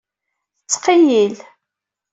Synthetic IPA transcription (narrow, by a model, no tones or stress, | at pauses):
θət͡sːqijil